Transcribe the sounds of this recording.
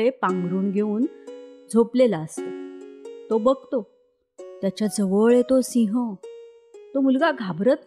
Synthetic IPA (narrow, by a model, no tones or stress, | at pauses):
epãŋɡɾuːnɡʱeũːnd͡zʱoplelaəst̪at̪obəɡ̚ʱt̪o | t̪jat͡ɕad͡zəʋəɭet̪osĩɦə | t̪omulɡaɡʱabɾət̪̚